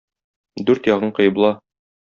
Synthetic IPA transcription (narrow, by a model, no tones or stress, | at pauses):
d̪ʉɾt̪jɒʁɤɴqɤ̆jɤ̆blˠɑ